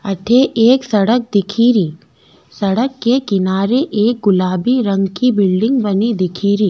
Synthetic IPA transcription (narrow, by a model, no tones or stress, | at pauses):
ɐʈʰeʔeːksɐɽək̚d̪ɪkʰiːɾiː | sɐɽəkːekɪnaːɾeʔeːk̚ɡʊlaːbiɾɐ̃ŋɡkibɪlɖɪ̃ŋɡbɐnid̪ɪkʰiːɾiː